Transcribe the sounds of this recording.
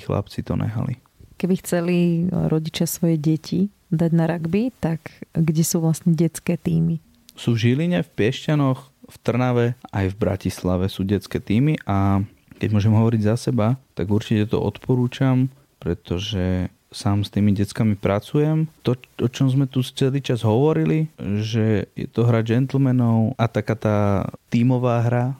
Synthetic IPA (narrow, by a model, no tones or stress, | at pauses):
xla̰pt͡sit̪ɔ̰nʔɛ̰ɦa̰lḭ | kɛbixt͡sɛliɾɔɟit͡ʃɪasʋɔjɛɟɛcʰi | d̪aɟnaɾaɡbit̪akɡɟɛsuːʋlasɲɛɟɛt͡skɛːt̪iːmi | suːvʒiliɲɛfpɪɛʃcanɔx | ft̪r̩naʋɛajvbɾa̰cislaʋɛsuːɟɛt͡skɛːt̪iːmiʔa | kɛɟmʊɔʒɛmɦɔʋɔɾiɟzasɛbat̪aɡuɾt͡ʃicɛt̪ɔ̰ʔɔ̰t̪pɔɾuːt͡ʃam | pɾɛt̪ɔʒɛ | saːmst̪iːmiɟɛt͡skamipɾat͡sujɛmt̪ɔɔt͡ʃɔmzmɛt̪ut͡sɛliːt͡ʃazɦɔʋɔɾiliʒɛjɛ̰t̪ɔɦɾad͡ʒɛnt̪l̩mɛnɔʊʔat̪akaːt̪aːt̪iːmɔʋaːɦɾa